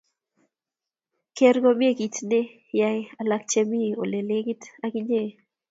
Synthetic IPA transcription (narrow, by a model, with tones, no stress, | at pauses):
ke˦ɾɡɔ˦mɪ˦e˦ki˨tnɪ˦ | ja˦ja˨la˦k̚t͡ʃe˦mi˦o̰˨le˨le˦ɡi˦ta˦kɪ˦ɲe˦˨